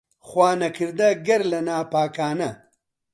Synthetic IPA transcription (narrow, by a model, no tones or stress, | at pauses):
χwaːnɐkʰiɾd̪ɐɡɐɾlɐnaːpaːkaːnɐ